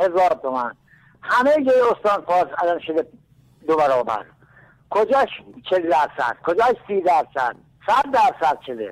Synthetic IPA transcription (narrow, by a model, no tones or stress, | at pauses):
hezɒːɾt̪ʰomæn | hæmejd͡ʒojeost̪ɑːnfɒːɾsælɒnʃod̪e | d̪obæɾɒːbæ̰ɾ | kʰod͡ʒæːʃt͡ʃʰeld̪æɾsæ̰d̪̥kʰod͡ʒɑːʃsiːd̪æɾsæ̰d̪̥̚ | sæd̪ːæɾsæd̪̥̚t͡ʃʰod̪ḛ